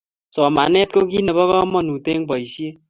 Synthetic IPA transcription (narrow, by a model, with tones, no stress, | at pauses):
sɔ˨ma˨nɛ˦t̪̚ko˦ki˦ne˨bɔ˦kɔ˦mɔ˨nu˨te˦ŋpʌ˨jsje˦